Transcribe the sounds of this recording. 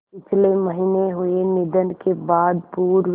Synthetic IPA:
pɪt͡ʃʰleməɦiːneɦʊenɪd̪ənkebaːd̪̚puːɾ

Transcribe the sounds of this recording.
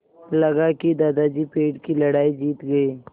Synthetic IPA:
lɐɡakid̪aːd̪ad͡ʒipeːɖkilɐɽaːid͡ʒiːt̪ɡɐiː

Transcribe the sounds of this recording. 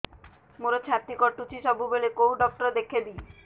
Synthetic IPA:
moɾot͡ɕʰãt̪ːikɔʈut͡ɕʰiʃɔbʱubelekowɖɔk̚ʈɔɾd̪ekʰed̪ie

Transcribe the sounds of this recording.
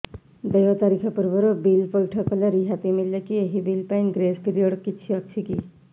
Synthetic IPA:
d̪ejɔt̪aɾikʰapuɾbʌɾobilpɔlʈʰɔkɔleɾiɦat̪imiljekieɦibilpajnɡɾeskiɾioɽkːit͡ʃʰiʌk̚t͡ʃʰiki

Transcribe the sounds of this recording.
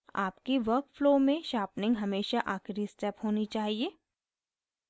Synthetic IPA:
a̰ːpkeʋɐɾkfloːmẽʃaːpnɪ̃ŋɡɦɐmeːʃaʔaːxɾisʈɛpɦoːnit͡ʃaːɦieː

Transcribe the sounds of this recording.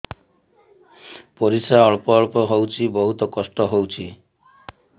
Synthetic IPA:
poɾisaɔɭpɔɔɭpɔɦowt͡ʃʰibɔɦut̪ɔkɔsʈɔɦowt͡ʃʰi

